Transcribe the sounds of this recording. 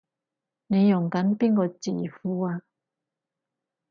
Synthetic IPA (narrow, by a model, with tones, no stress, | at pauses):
ne˨˧˦jʊ˨˩ŋka˨˥˦npi˥˨nkɔ˧t͡siː˨˩fu˧˦a˧